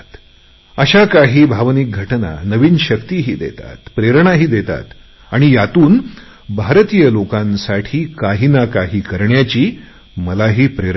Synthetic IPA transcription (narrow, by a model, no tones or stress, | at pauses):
t̪ | əɕakaɦiːbʱaʋnik̚ɡʱəʈna̰nəʋiːnɕəkt̪iɦiːd̪ḛt̪a̰t̪pɾeɾɳ̃aɦiːd̪et̪a̰t̪ | aɽ̃ijat̪uːn | bʱaɾt̪ijəlokãnsaʈʰiːkaɦinakaɦiːkəɾɳjat͡ɕiː | məlaɦiːpɾeɾ